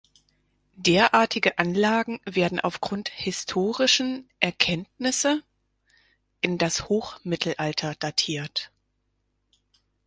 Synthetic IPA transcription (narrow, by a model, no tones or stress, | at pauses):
deːɐʔaːɐtʰɪɡəʔanlaːɡŋ̩veːɐdn̩ʔa̰ʊfɡ̥ʁʊnthɪstʰoːʁɪʃn̩ʔɛɐkʰɛntnɪsə | ʔɪndashoːχmɪtʰl̩ʔaltʰɐd̥atʰiːɐt